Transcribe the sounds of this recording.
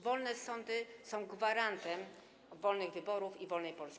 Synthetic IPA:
vɔlnɛsɔnd̪ɘsɔ̃w̃ɡvaɾant̪ɛm | vɔlnɘɣvɘbɔɾufivɔlnɛjpɔlskʲi

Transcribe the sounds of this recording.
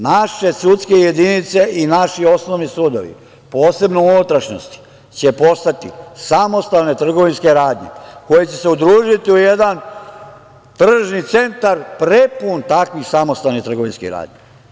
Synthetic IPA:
naʃe̞sut̪ske̞je̞d̪init̪se̞ʔinaʃio̞snoʋnisuːd̪o̰ʋḭ | po̞ːse̞bnounut̪ɾaʃno̰st̪i̥ | t͡ɕe̞po̞st̪at̪ḭsamo̞st̪alne̞t̪r̩ɡo̞ʋinske̞ɾaːd̪ɲḛko̞jet͡ɕe̞se̞ud̪ɾuːʒit̪iuje̞d̪an | t̪r̩ʒnit̪se̞nt̪aɾpɾe̞punt̪akʋixsamo̞st̪alnit̪ɾr̩ɡo̞ʋinskḭɾa̰ːd̪ɲe

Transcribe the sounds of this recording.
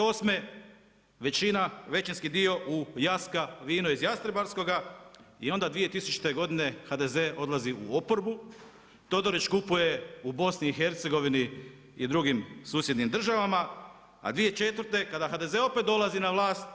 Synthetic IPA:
o̞sme | ʋe̞t͡ʃinaʋe̞t͡ʃinskid̪io̞ʔujaskaʋiːnuizjast̪ɾibaɾsko̞ɡaio̞nd̪ad̪ʋije̞t̪isut͡ʃu̥t̪e̞ɡo̞d̪ine̞xad̪e̞ze̞ʔo̞d̪lˠaziṵopo̞ɾbu | t̪o̞d̪o̞ɾit͡ʃkupuje̞ubo̞sniːxe̞ɾt̪se̞ɡo̞ʋini | id̪ɾuɡimsuːsje̞d̪nimd̪r̩ʒaʋama | a̰d̪ʋije̞t͡ʃe̞t̪ʋəɾt̪e̞kad̪axad̪eze̞o̞pe̞t̪̚d̪o̞lˠazinaʋlˠaːst̪

